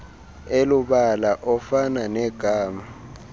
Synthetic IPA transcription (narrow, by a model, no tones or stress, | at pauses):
elʊɓalaʔɔfananɛɡ̥ʱaːma